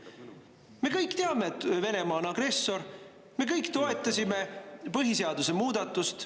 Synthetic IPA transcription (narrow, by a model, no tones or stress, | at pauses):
me̞kɤjkt̪eɑme̞t̪ve̞ne̞mɑːonɑɡ̥re̞sːo̞ɾ | me̞kɤjkˑt̪o̞e̞t̪ːˑɑsʲime̞pɯɦiseɑd̪̥use̞muːd̪̥ɑt̪ːˑust̪